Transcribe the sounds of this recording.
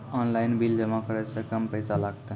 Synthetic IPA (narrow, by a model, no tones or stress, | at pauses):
ɔnlaɪnbild͡ʒəmakəɾɛsẽkəmpəɪsalaɡt̪e